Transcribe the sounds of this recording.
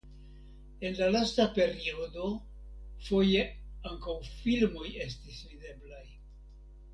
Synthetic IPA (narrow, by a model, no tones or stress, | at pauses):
e̞nlalastape̞ɾio̞do̞ | fo̞je̞ | aŋkawfilmo̞je̞s̬tisvide̞blaj